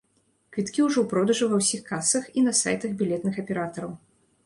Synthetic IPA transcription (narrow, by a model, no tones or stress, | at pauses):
kvʲit̪kʲiuʐɔwpɾɔd̪ɐʐɨvɐwsʲixkasɐxinɐsa̰jt̪ɐɣbʲilʲɛt̪nɨxɐpʲɛɾat̪ɐɾɐw